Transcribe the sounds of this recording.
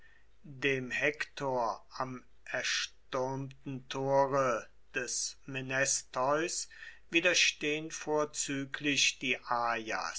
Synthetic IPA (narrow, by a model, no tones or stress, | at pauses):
deːmhɛktʰoːɐam | ʔɛɐʃtøɐmtn̩tʰoːʁə | d̥ɛsmenɛstɔʏsv̥iːdɐʃteːənfoːɐt͡syːklɪçd̥iːʔaːja̰